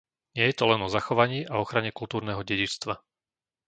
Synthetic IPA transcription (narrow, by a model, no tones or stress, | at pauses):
ɲɪɛjɛt̪ɔlɛnɔzaxɔʋaɲiːʔaɔxɾaɲɛkult̪uːɾnɛːɦɔɟɛɟit͡st̪ʋa